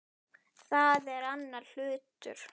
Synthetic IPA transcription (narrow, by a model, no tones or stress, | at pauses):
θaðɛɾanːaɾl̥ʏːt̪ʏ̰ɾ̥